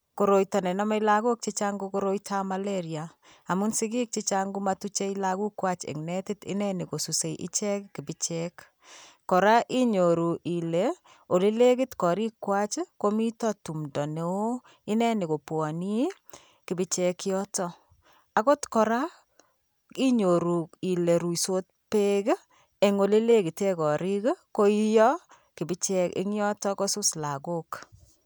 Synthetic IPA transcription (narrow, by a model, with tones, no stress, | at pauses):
ko˨ɾo˨jta˨nɛ˨nɔ˦ma˦i˦laɡo˦k̚t͡ʃi˦t͡ʃa˦ŋɡo˦koɾo˦jtʰa˦maleɾjaa˨mu˦nsi˦ɡi˦k̚t͡ʃi˦t͡ʃaŋɡu˦matu˦t͡ʃe˦i˦laɡu˦kwa˦t͡ʃḛ˨ŋnɛ˦ti˦tḭ˦nɛ˦ni˨ko˨su˨se˨ʔḭ˦t͡ʃɛ˦kki˨bi˦t͡ʃɛkː | ɔ˨ɾa˦ʔi˦ɲo˨ɾu˨ʔi˨le | o˨le˦le˦ki˦tkɔ˨ɾi˦kwa˦t͡ʃko˦mi˦tɔ˦tu˨mdɔ˨ne˨o˦ | i˦nɛ˦ni˨ko˨pwɔ˨ni˦ | ki˨bɪ˦t͡ʃɛ˦kjɔ˦tɔ˦ | a˨ko˦tkɔ˨ɾa˦ | i˦ɲo˨ɾu˨i˨le˨ɾu˨i˨so˦t̚ | pe˦ɡ | ɛ˨ŋo˨le˦le˦ki˨te˦kɔ˨ɾi˦kko˦i˦jɔ˦ | ki˨bi˦t͡ʃɛ˦ɪ̰˦ŋjɔ˦tɔ˦kɔ˦su˦sla˨ɡo˦k